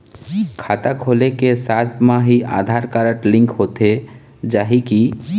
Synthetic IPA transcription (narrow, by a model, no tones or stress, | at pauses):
kʰaːt̪akʰoːlekesaːt̪ʰmãɦiʔa̰ːd̪ʱaːɾkəɾəʈlɪ̃ŋkɦoːt̪e | d͡ʒaːɦiki